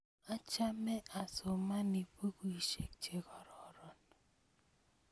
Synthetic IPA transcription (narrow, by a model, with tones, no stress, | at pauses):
a˦t͡ʃa˦mɛ˦ʔa˨so˨ma˦ni˨po˦ku˦i˨ʃe˨kt͡ʃe˨kɔ˨ɾɔ˨ɾɔ˨n